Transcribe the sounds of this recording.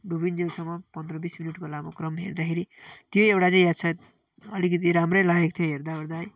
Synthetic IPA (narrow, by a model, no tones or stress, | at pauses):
ɖubind͡zilsʌmːʌpʌnd̪rʌbisminiʈkolamokrʌmɦḛrd̪akʰeɾit̪joewʈat͡saĩjasʰat̪ | ʌlikʌt̪̬iɾamrʌjlajʌk̚t̪ʰjoɦeɾd̪aɦoɾd̪aj